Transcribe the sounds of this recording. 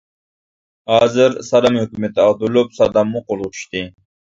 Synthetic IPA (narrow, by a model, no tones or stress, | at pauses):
hɑːzɪɾsɑd̪ɑmhøkʲymɛt̪ɪɑʁd̪ulupsɑd̪ɑmːuqolˠʁʊt͡ʃʰy̥ʃt̪ɪ